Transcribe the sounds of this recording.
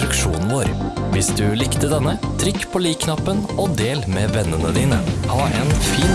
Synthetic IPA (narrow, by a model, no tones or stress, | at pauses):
ɾəkʃṵːnn̩ʋoːɾʋɪsd̪ʉlɪkt̪əd̪ɛnːət̪ʰɾʏkːpʰoːliːkʰnɑpːənɔd̪eːlmeːʋɛnːənəd̪iːnəhɑːʔḛːnfiːn